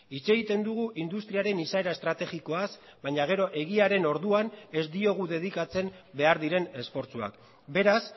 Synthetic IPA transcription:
it͡se̞ɣit̪e̞nd̪uɣ̞uʔind̪ust̪ɾiaɾe̞nisae̞ɾaest̪ɾat̪e̞ɣiko̞asbaɲaɣ̞e̞ɾo̞ʔe̞ɣ̞iaɾe̞no̞ɾðuane̞zd̪io̞ɣ̞uðe̞ð̞ikat͡se̞mbe̞aɾðiɾe̞ne̞sfo̞ɾt͡sua̰k | be̞ɾas

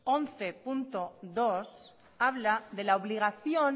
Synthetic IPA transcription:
onθe̞punt̪oðo̞s | aβlaðe̞laoβliɣ̞aθjo̞n

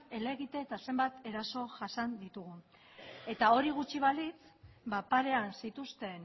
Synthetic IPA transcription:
e̞le̞ɣit̪e̞ːt̪ase̞mbat̪e̞ɾaso̞ʝasand̪it̪uɣ̞u | e̞t̪ao̞ɾiɣ̞ut͡ʃiβ̞alit͡sbapaɾe̞ansit̪ust̪e̞n

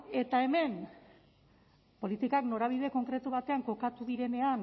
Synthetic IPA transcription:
e̞t̪ae̞me̞n | po̞lit̪ikakno̞ɾaβ̞iðe̞ko̞ŋkɾe̞t̪uβat̪e̞aŋko̞kat̪uðiɾe̞ne̞an

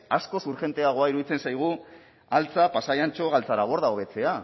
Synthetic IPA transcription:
asko̞suɾxe̞nt̪e̞aɣ̞o̞aiɾuðit͡se̞nsajɣ̞u | alt͡sapasajant͡ʃo̞ɣalt͡saɾaβ̞o̞ɾðaoβe̞t͡se̞a

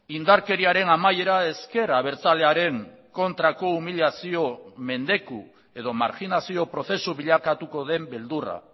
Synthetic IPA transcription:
ind̪aɾke̞ɾiaɾe̞namaje̞ɾae̞ske̞ɾaβ̞e̞ɾt͡sale̞aɾe̞ŋ | ko̞nt̪ɾako̞umiʎiasio̞me̞nd̪e̞ku | e̞ðo̞ma̰ɾxinasio̞pɾo̞θe̞suβiʎakat̪uko̞ðe̞mbe̞ld̪ura̰

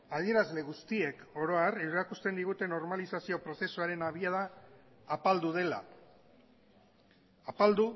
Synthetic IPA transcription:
að̞ie̞ɾazle̞ɣ̞ust̪ie̞ko̞ɾo̞areɾakust̪e̞nd̪iɣ̞ut̪e̞no̞ɾmalisasio̞pɾo̞se̞suaɾe̞naβ̞iaðaː | pald̪uð̞e̞la̰ | apald̪u

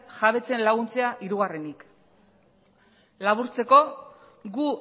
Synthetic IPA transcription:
ʝaβe̞t͡se̞nlaɣunt͡se̞aʔiɾuɣ̞are̞nik | laβuɾt͡se̞ko̞ | ɡu

